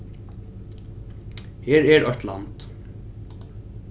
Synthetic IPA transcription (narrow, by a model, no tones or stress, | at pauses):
heːɾɛɹʔɔht̪la̰nt̪